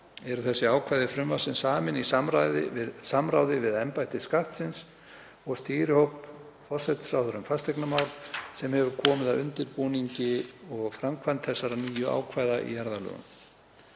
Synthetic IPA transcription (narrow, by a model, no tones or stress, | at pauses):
ɛɾʏθɛsːɪaːwkʰvajðɪfɾʏmvasɪnsaːmɪnisamɾajðɪ̰vɪðsamɾaːwðɪvɪðɛmpajht̪ɪskaht̪sɪns | ɔɣst̪iːɾɪhowp | fɔr̥sɛt̪sawθʏɾʏmfast̪ɛjknamaːwɾsɛmhɛvʏɾ̥kʰɔːmɪðaʏnt̪ɪɾpuːniɲcɪɔɣfɾamkʰvant̪θɛsːaɾaniːjʏʔa̰ːwkʰvaːjðaʔḭjaɾðalœ̰ːɣʏ̰m